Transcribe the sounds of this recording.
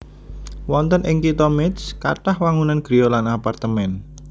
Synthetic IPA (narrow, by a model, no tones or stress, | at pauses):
wɔnt̪ənʔɪŋkit̪ɔmɪt̪ska̰ʈahwaŋunanɡ̥ɾijolanapart̪əmɛn